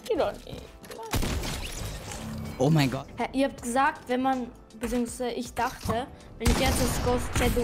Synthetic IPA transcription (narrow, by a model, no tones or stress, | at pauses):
idɔnḛ̥ | la | ʔomaɪɡɔhɛɐʔiːɐhaːp̚tɡ̥əzaːk̚tv̥ɛnman | bət͡siːʊŋsv̥aɪzəʔɪçd̥aχtʰə | vɛnɪç̥ɛɐtasɡ̥ɔst͡sɛdu